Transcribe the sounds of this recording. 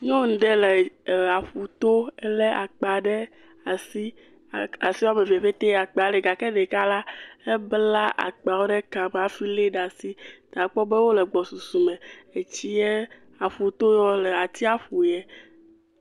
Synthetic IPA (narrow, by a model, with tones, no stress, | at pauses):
ɲɔ̃˦ŋ̩˨ɖ̪e˦le˨a˨fu˨t̪o˦ɛ˦le˦ʔa˨k͡pa˨ɖɛ˦ | a˨si˦˨ | a˨si˦wa˦me˨ve˨ɸe˦t̪e˦˨a˨k͡pa˨ɖɛ˨ɡa˨kɛ˦ɖɛ˨ka˦la˦e˦bla˦ʔa̰˨k͡pa˨wo˦ɖe˦ka˨m˨a˨fi˦le˦ɖa˨si˦t̪a˨k͡pɔ˦be˦wo˦lɛ˨ɡ͡bɔ˨su˨su˨mɛ̃˨e˨t͡ɕi˦je˦ | a˨fu˨t̪o˦jɔ˦lɛ˨a˨t̪i˦a˦ɸu˨jɛ˦